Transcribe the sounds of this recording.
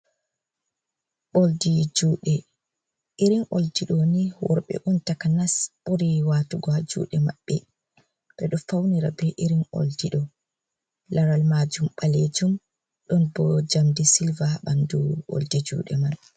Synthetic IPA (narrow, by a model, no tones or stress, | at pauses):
ɓoldid͡ʒuːɗɛ | ʔiɾinʔo̰ldiɗoniwɔ̰ɾɓɛ̰ʔuntakanasɓoɾiwaːtuɡɔad͡ʒṵːɗɛma̰ɓːɛ | ɓɛɗɔfawniɾa̰bɛʔiɾinʔo̰ldiɗɔ | laɾalmaːd͡ʒumɓaled͡ʒum | ɗɔnbɔd͡ʒamdisilvaɓanduo̰ldid͡ʒṵːɗɛman